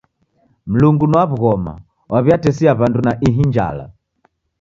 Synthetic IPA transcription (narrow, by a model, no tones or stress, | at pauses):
m̩luŋɡunwaβuɣɔma̰ | wʔaβjatɛsiaβandunaʔiɦiɲd͡ʒa̰la̰